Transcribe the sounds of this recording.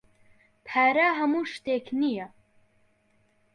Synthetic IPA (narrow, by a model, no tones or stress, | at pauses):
pʰæːɾaːɦɐmuːʃt̪eːkʰnija